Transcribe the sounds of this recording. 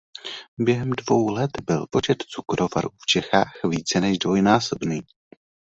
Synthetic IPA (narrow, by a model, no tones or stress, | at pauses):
bjɛɦɛmdvo̞wlɛt̪bɪlpo̞t͡ʃɛt̪t͡sukɾʔo̞va̰ɾuft͡ʃɛxaːxviːt͡sɛnɛʒdvo̞jnaːso̞bniː